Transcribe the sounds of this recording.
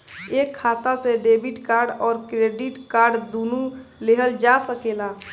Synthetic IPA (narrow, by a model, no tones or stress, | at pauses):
eːkʰːaːt̪aseɖeːbiʈkaːɾɖɔːɾkɾeːɖiʈkaːɾɖd̪uːnuleɦəld͡ʒasəkela